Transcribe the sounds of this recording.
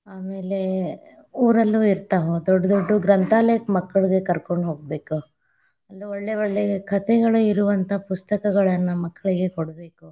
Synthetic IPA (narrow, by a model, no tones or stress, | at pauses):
aːme̞ːle̞ | uːɾɐlːuiɾt̪aːʋod̪ɔɖːɐd̪oɖːuɡɾɐnt̪ʰaːlɐjɐkmɐkːɐɭiɡe̞kɐɾkoɳɖɦoːɡ̚be̞ːku | ɐlːuoɭːeoɭːeɡekʰɐt̪ɛɡɐɭuiɾuʋɐnt̪ʰɐpust̪ɐkɐɡɐɭɐnːumɐkːɐɭiɡe̞koɽbe̞ːku